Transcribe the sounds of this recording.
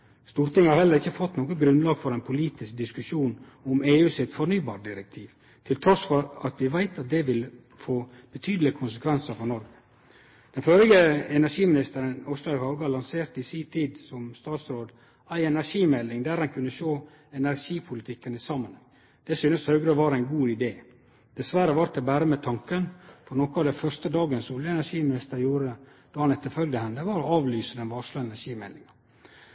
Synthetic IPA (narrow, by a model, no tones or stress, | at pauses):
st̪uːɾt̪ɪŋhɑɾhɛlːəɾɪçːəfɔt̪ːnoːɡənɡɾʉnlɑːɡfɔɾæɪpʰʊliːt̪ɪsk̚d̪ɪskʉʃuːn | ɔmeːʉːsɪt̪fɔɾnyːbɑːɾɖɪɾək̚t̪ʰiːʋ | t̪ʰɪlt̪ʰɾɔsfɔɾɑt̪ʋɪʋæɪt̪ɑt̪̚d̪ɛʋɪl | foː | b̥ət̪ʰyːd̪əlɪkʰʊnsəkʰʋɛnsəfɾɔnɔɾɡə | d̪̥ɛnføɾɪɡəɛnæʂiːmɪnɪst̪əɾənɔst̪ɑhɑɡɑlɑnseːɾt̪ɪsiːt̪ʰiːd̪sɔmst̪ɑːt̪sɾoːd̪ | æɪɛnæɾʂiːmɛlːɪŋd̪æːɾɑnkʰʉnːəʃoː | ɛnæɾʂiːpʰʊlɪt̪ʰɪkːənɪsɑmːənɛŋ | d̪̥ɛsyːnəshœʉɡɾəʋɑɾæɪnɡuːɪd̪eː | d̪̥ɛsʋæɾəʋɑɾt̪̚ɛbæːɾəmɛt̪ʰɑŋkənfɔɾnɔkɑːʋd̪ɛfœɾst̪əd̪ɑːɡənsuːljəɛnæʂiːmɪnɪst̪əɾjuːɾə | d̪̥ɑːhɑnɛt̪ːəɾfœlɡd̪əhɛnd̪əʋɑɾɔɑːʋlyːsəd̪ɛnʋɑːʂlʉɛnæʂiːmɛ̰lːɪŋɑ